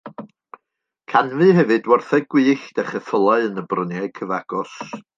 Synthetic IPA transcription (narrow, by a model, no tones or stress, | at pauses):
kʰanvɨhɛvɨdwɔrθɛɡ̥wɨːɬd̥ɛχəθəlˠaɨənəbrənjɛkʰəvaɡ̥ɔs